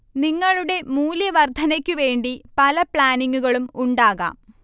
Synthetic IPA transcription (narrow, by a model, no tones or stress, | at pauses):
niŋːɐɭuɽe̞muːljɐʋɐrd̪ʱɐnɐkʲːuʋe̞ːɳɖipɐlɐpɭaːniŋɡuɣɐɭumuɳɖaːɣa̰ːm